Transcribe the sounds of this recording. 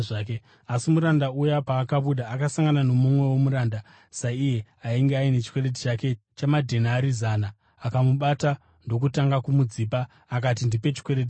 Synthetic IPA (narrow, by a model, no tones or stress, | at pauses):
ke | asimuɾandaujapaːkaɓuɗaːkasaŋɡanano̞mumwe̞wo̞muɾaːnda | saije̞ | aiŋɡeaine̞t͡ʃi̥kweɾet̬i̥t͡ʃake̞ | t͡ʃamadʱe̞naːɾizaːnaː | kamuɓata | ndo̞k̬utaŋɡakumud͡ziːpaː | k̬atindipe̞t͡ʃi̥kwe̞ɾeti